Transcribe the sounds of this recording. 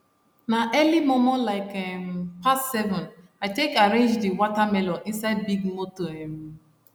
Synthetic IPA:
naʔɛlimomɔ̃nlaɪkɛmpassɛvɔ̃n | aɪtekaɹẽnd͡ʒdiwɔtamɛlɔʔĩnsaɪd̚biɡmotoɛ̃m

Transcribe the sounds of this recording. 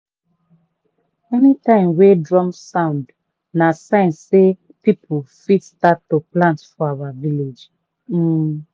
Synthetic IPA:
ɛnitãɪ̃mwedɹɔ̃msãʊ̃nd | nasãɪ̃nse | pipʰufitstaoplãntfɔawaviled͡ʒ̩

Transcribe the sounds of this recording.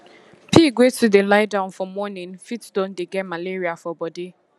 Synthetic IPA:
pʰiɡwetʰudelaɪdãʊ̃nfɔmːɔnĩnfitdõndeɡɛtmaleɹiafɔbɔde

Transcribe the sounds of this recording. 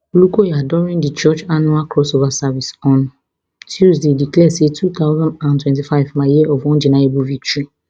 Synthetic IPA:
olukojɛadɔɾĩndit͡ʃɔt͡ʃanualkʰɾɔsovasavisɔ̃nʊ̃ | tʰuzdediklɛsetʰut̪aʊzãnãntwɛ̃nt̬ifaɪvmãjiɛʔɔvwɔ̃nd͡ʒinãebuvit͡ʃi

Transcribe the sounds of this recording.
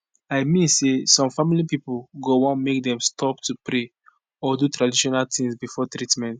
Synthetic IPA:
aɪmĩnsesɔ̃mfamilipipulɡowɔ̃nmek̚dɛ̃mstʰɔptupɾe | ɔdutɾadiʃɔnaltĩŋsbifɔtɾitmɛ̃nt

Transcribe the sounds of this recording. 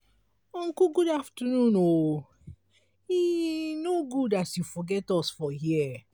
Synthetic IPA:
ɔ̃ŋkuɡudaftənũno | inoɡudatjufɔɡɛtɔsfɔhiɛ

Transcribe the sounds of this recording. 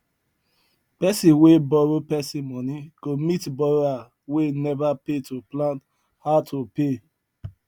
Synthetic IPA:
pɛsĩwebɔɹopɛsĩmɔniɡ̥omitbɔɹoa | wenɛvapetoplãnt | hatʰope

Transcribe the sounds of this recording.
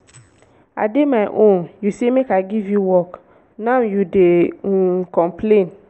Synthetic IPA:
a̰demaɪʔõnjusemekaɪɡivjuwɔk | nãwjude | kɔ̃mpʰlẽn

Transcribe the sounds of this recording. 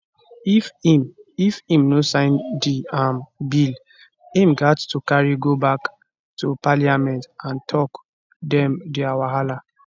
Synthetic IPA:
ifimifĩmnosãɪ̃ndiãmbil | ĩmɡattukaɹiɡobak | tupaliamɛ̃ntãntʰɔk | dɛ̃mdiawaɦala

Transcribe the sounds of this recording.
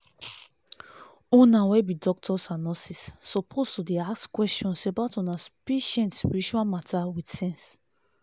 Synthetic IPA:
õnawɛbidɔk̚tʰɔsanɔsisːɔpʰostudeaskwɛst͡ʃɔ̃nsebaʊtɔ̃naspeʃɛ̃ntspiɹit͡ʃuamatʰawidsɛ̃ns

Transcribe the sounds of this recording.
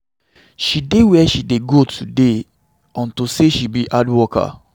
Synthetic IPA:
ʃidewɛʃideɡotʰude | ɔ̃ntoseʃibiʔadwɔka̰

